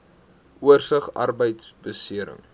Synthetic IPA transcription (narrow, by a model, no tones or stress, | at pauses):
uərsəχɐ̰rbəjtsbəsiəɾə̰ŋ